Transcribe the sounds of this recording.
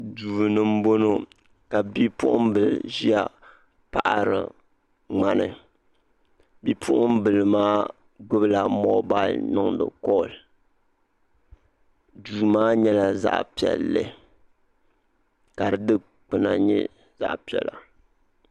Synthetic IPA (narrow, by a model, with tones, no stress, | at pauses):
duː˨nɨ˦m̩˦bo˦no˦ | ka˨bi˦pʊ˦ʔʊ̰˦m˦bɨ˨lʒi˦a˨ | pa˨ʔa˨ɾɨ̰˨ | ŋ͡ma˦nɨ̰˨ | bi˦pʰʊ˦ʔʊ˦m˦bɨ˨lɨ˨maː˦ | ɡʊ˦bɨ˦la˨mo˦ba˦˨lnɨ˦ŋdɨ̰˨kɔ˦˨l | duː˨maː˦ɲɛ˦la˨za̰˦ʔpi˨ɛ̰˨lːɨ̰˨ | ka˨ɾɨ˨dɨ˦ | k͡pɨ˨na̰˨ɲɛ̰˦ | za̰˦ʔpi˨ɛ̰˨la˨